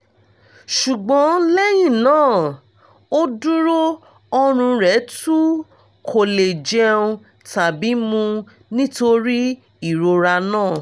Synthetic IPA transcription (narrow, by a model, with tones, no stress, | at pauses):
ʃu˨ɡ͡bɔ̃˨˦lɛ˦j̃ĩ˦˨nãː˦˨ | o˦du˦ɾo˦ | ɔ˧ɾ̃ũ˧ɾɛ˨˦tu˦ | kʰo˨le˨d͡ʒɛ˧ũ˧ | ta˨bi˨˦mũ˧ | nĩ˦to˧ɾi˦ | i˦˨ɾo˧ɾa˧nãː˦˨